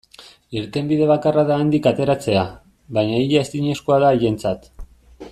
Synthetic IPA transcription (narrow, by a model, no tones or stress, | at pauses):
iɾt̪e̞mbiðe̞βakaraðaːnd̪ikat̪e̞ɾat͡se̞a | βajɲaiʎaest̪iɲe̞sko̞aðaːje̞nt͡sat̪